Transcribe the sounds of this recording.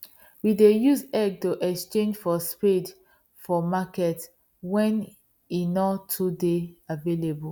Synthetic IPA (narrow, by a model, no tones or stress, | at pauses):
widejuzɛɡ̚tuʔɛkst͡ʃẽnd͡ʒfɔspid | fɔmakɛt | wɛ̃n | inɔtʰːudeavelebu